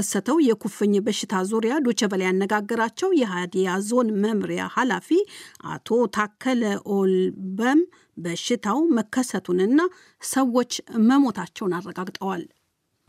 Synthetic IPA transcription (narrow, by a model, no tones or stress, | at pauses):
əsːət̪ʰəwjɛkʰufɨɲːbəʃːɪt̪ʰazuɾijad̪ot͡ʃɛbəlajanːəɡaɡːəɾat͡ʃːɛwjɛɦad̪ijazo̞nməmɾija̰halafiʔa̰t̪ʰo̞t̪ʰakʰːələʔolbəm | bəʃɪt̪ʰawməkʰːəsət̪ʰunɨnːa | səwːo̞t͡ʃːməmo̞t̪ʰat͡ʃːɛwnarːəɡaɡt̪ʼəwal